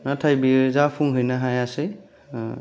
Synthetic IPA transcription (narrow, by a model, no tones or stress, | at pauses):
natʰajbizapʰuŋɦɯjnaɦajase